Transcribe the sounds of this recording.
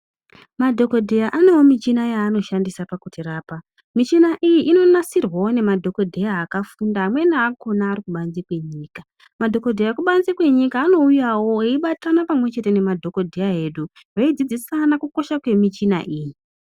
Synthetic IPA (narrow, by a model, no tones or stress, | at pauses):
madʱo̞ko̞dʱejaʔane̞wo̞mit͡ʃinajaːno̞ʃandisapakutiraːpa | mit͡ʃinaʔijiʔino̞nasirwawone̞madʱo̞ko̞dʱe̞jaːkafundaːmwe̞naːkʰo̞naːɾikuɓanzikwe̞ɲiːka | madʱo̞ko̞dʱejjakuɓanzekwe̞ɲikaːno̞ujawo̞eiɓatanapamwe̞t͡ʃe̞te̞ne̞madʱo̞ko̞dʱejaɦe̞ːɗu | raid͡zid͡zisanakuko̞ʃakwe̞mit͡ʃina̰ʔiːji